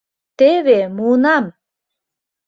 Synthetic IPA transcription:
t̪eβemunɑm

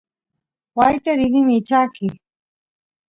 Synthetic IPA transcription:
wajt̪eɾɪɣɪmɪːt͡ʃakɪ

